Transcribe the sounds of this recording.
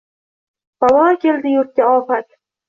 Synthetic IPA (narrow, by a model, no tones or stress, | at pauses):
bawɒːkʲʰeld̪ɪjʊɾt̪̚kʲaɒːpat̪